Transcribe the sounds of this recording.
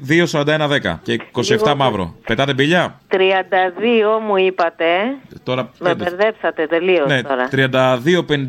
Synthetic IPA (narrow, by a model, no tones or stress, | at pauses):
ðio̞sɐɾɐnd̪ɐenɐðe̞kɐ̰ceko̞sieft̪ɐmɐvɾo̞̰pet̪ɐt̪e̞biʎɐt̪ɾiɐnd̪ɐðio̞muipɐt̪et̪o̞ɾɐmed̪eɾðe̞psɐt̪et̪e̞liosneoɾɐt̪ɾiɐnd̪ɐðio̞pen